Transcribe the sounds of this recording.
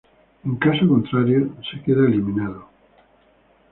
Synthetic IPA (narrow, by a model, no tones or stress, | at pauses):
eŋkasokont̪ɾaɾjosekeðaelimĩnaðo